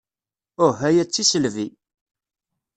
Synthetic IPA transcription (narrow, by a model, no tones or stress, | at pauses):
ʊɦæjæt͡sːisəlvi